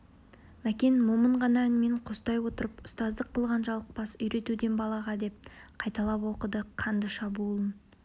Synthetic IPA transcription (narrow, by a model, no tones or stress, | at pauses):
mækʲe̞nmoməɴʁɑnɑænme̞ɴqʰost̪ɑjwo̞t̪əɾəpʊst̪ɑzd̪əqʰːəlˠʁɑnʒɑlˠəq̚pɑsʏjɾe̞t̪ud̪e̞nbɑlˠɑʁɑd̪e̞p̚qʰɑjt̪ɑlˠɑpwo̞qəd̪əqʰɑnd̪əʃɑbulˠən